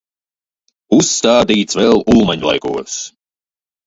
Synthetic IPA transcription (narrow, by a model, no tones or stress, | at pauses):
usːt̪aːd̪iːt̪svɛlˠuːmaɲlˠa̰jkṵəs